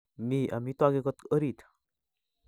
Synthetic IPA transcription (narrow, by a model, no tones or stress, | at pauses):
miːʔa̰mit̪waɡekət̪əɾiːt̪ʰ